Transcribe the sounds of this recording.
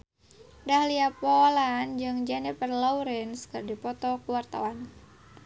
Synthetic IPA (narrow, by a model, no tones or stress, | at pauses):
dahliapɔland͡ʒɨŋd͡ʒanipərlɔuɾɛnskɨrdipɔt̪ɔkuwart̪a̰wan